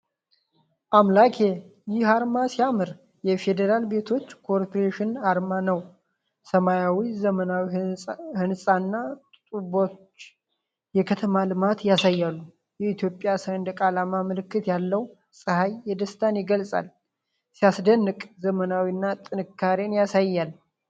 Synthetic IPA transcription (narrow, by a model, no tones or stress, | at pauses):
ʔamlakʰejɪhaɾmasijamɨɾ | jɛfe̞d̪əɾalbe̞t̪ʰo̞t͡ʃːkʰo̞ɾpoɾeʃɪnaɾmanəw | səmajawizəmənawihɨnsʼanːat̪ʼt̪ʼubo̞t͡ʃː | jɛkʰət̪ʰəmalɨmat̪jasajːalːu | jɛit̪ʰjo̞pʼjasnd̪əkʼalamaməlɨkːɨt̪jalːəw | sʼɨhajːɛd̪əst̪ʰanjɪɡəlsʼa̰l | sijasd̪ənːɨkʼzəmənawinːat̪ʼɨnɨkʰːaɾenjasajːal